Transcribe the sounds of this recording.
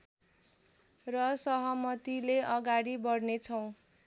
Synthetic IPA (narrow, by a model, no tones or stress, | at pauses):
rʌsʌɦʌmʌt̪ileʌɡaɽibʌɽnet͡sʰʌw̃